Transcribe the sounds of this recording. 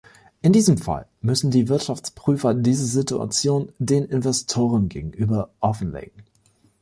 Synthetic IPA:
ʔɪndiːzəmfa̰lmʏsn̩diːvɪɐtʃaft͡spʁ̥yːfɐdiːzɐzitua̰t͡sjoːndeːnɪnvɛstʰoːʁ̞ənɡḛːɡŋ̩ʔyːbɐʔɔfn̩lḛːɡŋ̩

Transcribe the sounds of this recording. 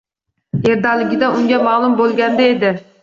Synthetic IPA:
eɾd̪ɑːlˠɪɡʲɪd̪ɛuŋʲɛmɑːlˠumbolˠɡʲɛnd̪ɛed̪ɪ

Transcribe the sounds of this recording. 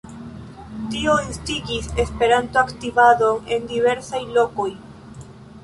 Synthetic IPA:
t̪ioenst̪iɡisespe̞ɾant̪oakt̪ivado̞ne̞nd̪ive̞ɾsajlo̞koj

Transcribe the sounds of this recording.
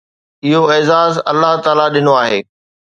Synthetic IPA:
ɪɦoɪːzaːzɐ̰lːaɦt̪aːlaɗɪnoaːɦḛː

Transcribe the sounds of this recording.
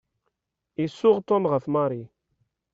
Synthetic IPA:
isuʁt̪omʁəfmaɾi

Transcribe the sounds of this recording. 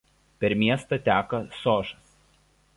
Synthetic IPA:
pʲɛɾmʲiɛst̪ɐt̪ʲæːkɐsoːʒɐs

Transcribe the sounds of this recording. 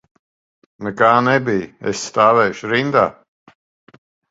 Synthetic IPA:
nɛkaːnɛbijɛ̰sːt̪aːvɛːʃɾind̪aː

